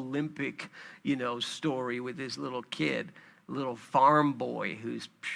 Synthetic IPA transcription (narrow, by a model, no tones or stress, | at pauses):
lɪ̃mpɪkjɨnoʊstɔɹiwɨðɪslɪɾl̩ˠkʰɪ̰d̚lɪɾl̩ˠfɑɹmbɔɪɦʉz̥